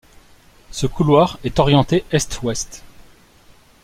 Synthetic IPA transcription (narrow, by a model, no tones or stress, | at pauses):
səkulwaʁɛt̪ɔʁjɑ̃t̪eɛst̪wɛst̪